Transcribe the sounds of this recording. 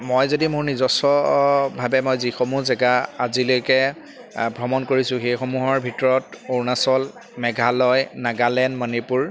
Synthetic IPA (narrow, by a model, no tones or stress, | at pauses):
mojzodimʊɹnizɔsɔbʱabɛmojzixomuzɛɡaazilojkɛ | bʱɹɔmɔnkoɹisʊ̃xejxomuɦɔɹbʱitɔɹɔtoɹnasɔl | mɛɡʱalɔjnaɡalɛnmɔnipuɹ